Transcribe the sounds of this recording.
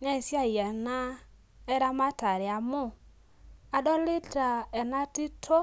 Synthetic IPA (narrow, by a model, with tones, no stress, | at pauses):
nɛ˦˨sja˦˨jɛ˨na˦ | ɛ˦ɾa˦ma˦ta˨ɾɪ˨a˨mʊ˦˨ | a˨dɔ˦li˦ta˨ɛ˨na˦ti˦tʰo˦